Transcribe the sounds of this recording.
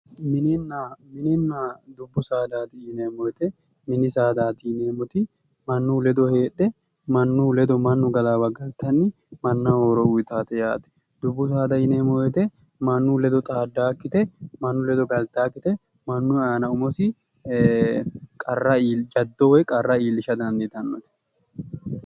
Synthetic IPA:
mɪnɪnːamɪnɪnːaːd̪ʊbːʊsaːd̪aːt̪ɪɪneːmɔjɛt̪ɛ | mɪnɪsaːd̪aːt̪ɪneːmɔt̪ɪ | mɐnːuːlɛd̪ɔhe̞ːɗɛ | mɐnːuːlɛd̪ɔmɐnːʊɡɐlaːbɐɡɐlt̪ɐnːɪ | mɐnːaːhoɾɔuɪt̪aːt̪ɛja̰ːt̪ɛ̥ | d̪̥ʊbːʊs̬aːd̪ɐɪneːmɔɛt̪ɛ | mɐnːuːlɛd̪ɔt̪ʼaːd̪ːaːkːɪt̪ɛmɐnːʊlɛd̪ɔɡɐlt̪aːkːɪt̪ɛ | mɐnːʊaːnɐʊmɔsɪ | kʼɐrːɐiːld͡ʒɐd̪ːowɛkʼɐrːɐiːlːɪʃɐd̪ɐnd̪ɪt̪ɐnːɔt̪ɛ̥

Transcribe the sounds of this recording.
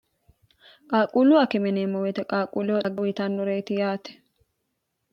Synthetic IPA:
kʼaːkʼuːlʊɐkɛmɛneːmːɔwɛt̪ɛkʼaːkʼuːlɛwɐɡɐwɪt̪anːʊɾejt̪ɪjaːt̪ɛ̥

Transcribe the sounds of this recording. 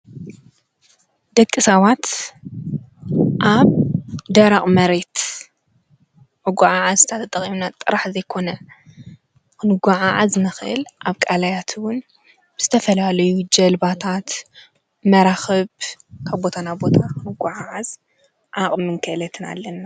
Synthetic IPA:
d̪̥ɐkʼːɨsaβat̪ | ʔaβd̪ɐɾaχʼmɐɾe̞t̪ | ʔɨɡʷaʕaʕazɨt̪ʰat̪ʰɐt̪ʼɐχʼimnat̪ʼːɨɾaħzɐjkʰo̞nɐ | kɨnɨɡʷaʕaʕaznɨxɨʔɨlʔaβkʼalajat̪ʰwʊn | bɨz̥ɨt̪ʰɐfɐlalɐjud͡ʒɐlbat̪ʰat̪ | mɐɾaxɐβkʰaβbo̞t̪ʰanabo̞t̪ʰakɨnɨɡʷaʕaʕaz | ʕaχʼmɨŋkʰɨʔlɐt̪ʰɨna̰lːɐnːa

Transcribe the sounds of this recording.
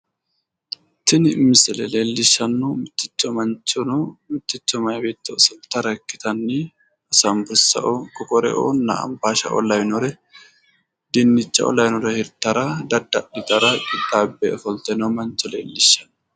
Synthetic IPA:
t̪ɪnɪmɪsɛlɛle̞ːlːɪʃːɐnːumɪt̪ːɪ̥t͡ʃːɔmɐnt͡ʃːɔnɔmɪt̪ːɪt͡ʃːɔmɐjbeːt̪ːɔsɐlt̪ɐɾɐkːɪt̪ɐnːi | ɐsɐmbʊɾsɐ̰ʔokʼɔkʼɔɾɛ̰ʔo̰ːnːa̰ɐ̰mbaːʃɐ̰ʔɔ̰lɐwnɔɾɛ | d̪ɪnːɪt͡ʃːɐ̰ɔ̰lɐwnɔɾɛhɪɾt̪ːɐɾɐd̪ɐd̪ːɐɗɪt̪ʼɐɾɐkʼɪt̪ʼːaːbːɛʔɔfɔlt̪ɛnɐwmɐnt͡ʃːɔlḛːlːɪʃːɐn

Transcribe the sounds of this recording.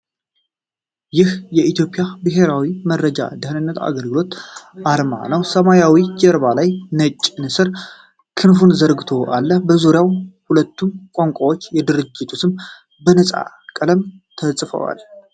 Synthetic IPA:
jɪhjɛʔit̪jo̞pʼjabɨɦe̞ɾawimədɾəd͡ʒa̰d̪ɨhɨnɨnːət̪a̰ɡəlɡɨlo̞t̪ʔaɾma̰nəwsəmajawid͡ʒəɾβalajnət͡ʃʼːnɨsɨɾ | kʰɨnfunzəɾɡɨt̪ʰo̞ʔalːəbəzuɾjawhulət̪ːumkʼoŋkʷʼawo̞t͡ʃːjɛd̪ɨɾɨd͡ʒːɪt̪ʰusɨm | bənəsʼa̰ | kʼələmt̪ʰəsʼfə̰wa̰l

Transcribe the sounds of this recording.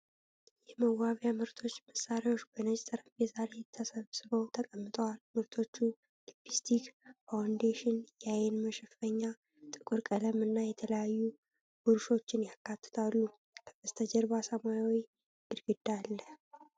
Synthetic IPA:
jɛməwaβjamɨɾt̪ʰo̞t͡ʃːməsːaɾawo̞t͡ʃːbənət͡ʃʼsʼəɾəbezaɾe̞t̪ʰːəsəβsɨβəwt̪ʰəkʼəmːɨt̪ʼəwalmɨɾt̪ʰo̞t͡ʃːu | lipist̪ʰikfawnd̪eʃɪnjajɛnməʃɛfəɲːa | t̪ʼɨkʼuɾkʼələmɨnːajɛt̪ʰələjajːu | b̥uɾʃo̞t͡ʃːɪnjakːat̪ʰːɨ̥t̪ʰalːu | kʰəbəst̪ʰəd͡ʒəɾβasəmajawi | ɨɾɡɨd̪alːə

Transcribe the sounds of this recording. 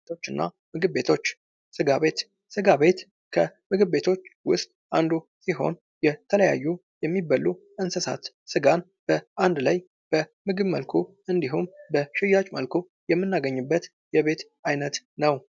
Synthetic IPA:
o̞t͡ʃːɨnːa̰ | mɨɡɨβːe̞t̪ʰo̞t͡ʃː | sɨɡaβe̞t̪ | sɨɡaβe̞t̪ | kʰəmɨɡɨβːe̞t̪ʰo̞t͡ʃːwʊst̪ʼʔand̪u | siɦo̞̰n | jɛt̪ʰələja̰jːu | jɛmːibəlːu | ɨnsəsa̰t̪ | sɨɡan | b̥əʔand̪laj | b̥əmɨɡɨβmə̰lkʰu | ɨnd̪iɦumbəʃɪjat͡ʃʼmə̰lkʰu | jɛmːɨnːaɡəɲːɨbːət̪ | jɛβe̞t̪ | ʔajnət̪nəw

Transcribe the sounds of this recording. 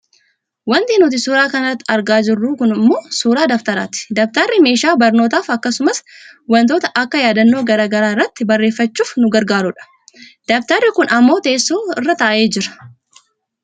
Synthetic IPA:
wɐnt̪inuːt̪ɪsuːɾaːkɐnɐɐt̪ːɐɾɡaːd͡ʒɪrːuːkʊnɪmːo̞ːsuːɾaːd̪ɐft̪ɐɾa̰ːt̪ɪ̥d̪ɐft̪ɐrːɪme̞ːʃaːbɐɾno̞ːt̪aːfɐkːɐsʊmɐswɐnt̪o̞ːt̪ɐʔɐkːɐjaːd̪ɐnːoːɡɐɾaːɡɐɾaːɪrːɐt̪ːɪbɐrːe̞ːfːɐt͡ʃːuːfnʊɡɐɾɡaːɾʊᶑɐ̥ | d̪̥ɐft̪ɐrːɪkʊnɐmːo̞ːt̪e̞ːsːoːɪrːɐt̪ɐʔɐʔe̞ːd͡ʒɪɾɐ̥

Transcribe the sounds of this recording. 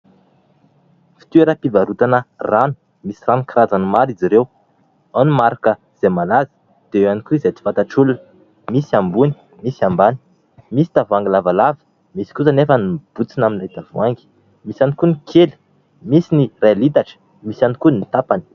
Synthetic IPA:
fi̥t̪ueɾəpivaɾut̪anəranu̥ | misiranukrazanmaɾiziɾew | anumaɾakə | z̥emalazə̥ | d̪̥eewanikuizet͡s̪i̥fant̪aʈ͡ʂuln | misiambuni̥ | misiambani̥ | misi̥t̪avaŋɡilavalavə̥ | misi̥kuzanefənib̥ut͡sinaminlat̪avaŋɡi̥ | misanikunikʰeli̥ | misinirelit̪aʈ͡ʂə̥ | misanikunit̪apani̥

